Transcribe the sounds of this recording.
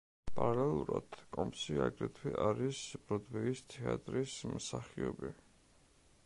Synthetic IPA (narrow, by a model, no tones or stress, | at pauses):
pʼaɾlɛlˠuɾad̪̥kʼɔmpsiaɡɾɛt̪ʰwiʔaɾisb̥ɾɔd̪vɛist̪ʰɛat̪ʼɾismsaχiɔbi